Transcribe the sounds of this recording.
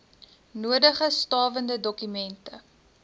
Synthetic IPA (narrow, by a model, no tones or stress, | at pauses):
nuədəχəstɑːvəndədɔkymɛntə